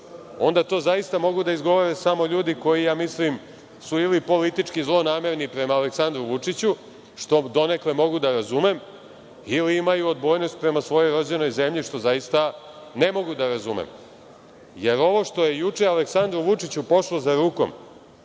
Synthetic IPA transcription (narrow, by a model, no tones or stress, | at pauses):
o̞̰nd̪at̪o̞ːzajist̪amo̞ɡud̪aizɡo̞ʋoɾesamo̞ʎuːd̪iko̞jijaːmislim | suilipo̞lit̪it͡ʂkizlˠo̞naːme̞ɾnipɾe̞maːleksand̪ɾuʋut͡ʂit͡ɕu | ʃt̪o̞d̪o̞ne̞kle̞mo̞ɡud̪aɾazume̞m | iliimajuod̪bo̞jnost̪̚pɾe̞masʋo̞jo̞jɾo̞d͡ʑe̞no̞jze̞mʎiʃt̪o̞zajist̪a | ne̞mo̞ɡud̪aɾazumḛm | je̞ɾo̞ʋo̞ʂt̪o̞je̞jut͡ʂe̞aleksand̪ɾuʋut͡ʂit͡ɕupo̞ʃlˠozaɾuːko̰m